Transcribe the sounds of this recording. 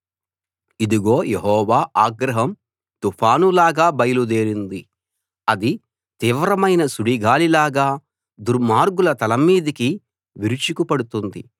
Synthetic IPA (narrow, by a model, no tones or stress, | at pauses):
id̪uɡo̞ːjeɦɔːʋaːʔaːɡɾɐɦɐm | t̪upʰaːnulaːɡaːbɐjɐlud̪eːɾind̪i | ɐd̪i | t̪iːʋɾɐmɐjnɐsuɽiɡaːlilaːɡaː | d̪uɾmaːɾɡulɐt̪ɐlɐmːiːd̪iki | ʋiɾut͡ʃikupɐɽut̪und̪ḭ